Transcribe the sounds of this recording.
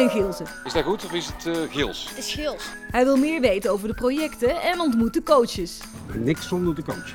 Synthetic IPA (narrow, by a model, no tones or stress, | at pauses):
nɣɪlˠzə | ɪzdaχutɔfɪsətɣɪ̰lˠstɪsχɪlˠs | ɦɛjʋɪlˠmɪːɹʋejtənowvəɹdəprojɛktəɛnɔntmut̚dəkowt͡ʃəs | ɛnɪksɔndəɹdəko̰wt͡ʃə